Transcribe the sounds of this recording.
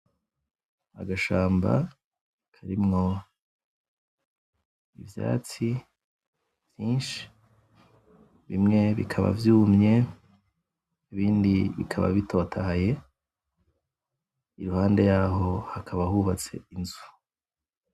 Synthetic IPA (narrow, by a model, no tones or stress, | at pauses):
a̰ɡaʃaːmba̰ | kʰaɾimŋo | ḭvja̰ːt͡si | vjiːnʃi̥ | βimŋe̞βikʰaβa̰vjuːmɲe̞ | iβiːndiβḭkʰaβa̰βitʰo̞tʰahaje̞ | iɾuhaːnde̞jaːɦo̞hakʰaβahuβat͡se̞̰inzu